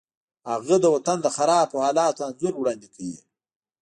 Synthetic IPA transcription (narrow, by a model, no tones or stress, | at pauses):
aɣəd̪əwat̪and̪əxaɾɑːpohɑːlɑːt̪anzuɾwɽɑːnd̪ikʰajḭ